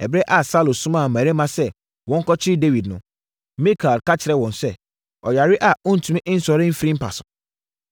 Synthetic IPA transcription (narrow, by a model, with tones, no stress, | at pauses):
ɛ˨bɾɛ˦ʔa˨sa˦lo˨sʊ̃˦mã˦˨mã˨ɾe˦mã˦sɛ˦ | wɔ̃˨˦ŋ̩˦kɔ˦t͡ɕʰɪ˦ɪ˦de˦wi˨dnʊ̃˦ | mĩ˦kʰa˨lka˦t͡ɕʰɪ˨ɾɛ˦wɔ̃˨n˨sɛ˦ | ɔ˨ja˨ɾɪ˦ʔa˨ʊ̃˦n̩˨tʰũ˨˦ɪ̃˦ʔɪ˦n̩˦sɔ˨ɾɪ̃˦m̩˦fɾi˦m̩˦pʰa̰˨sʊ̃˨